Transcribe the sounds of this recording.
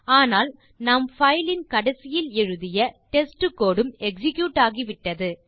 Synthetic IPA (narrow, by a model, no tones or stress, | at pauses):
aːnaːl | nɐmfɐɪlɪnkɐɽɐsɪjɪlɛɻɯðɪjɐʈɛsʈɯkːoːɽɯmɛksɪkjuːʈaːɣiʋɪʈːɐðɯ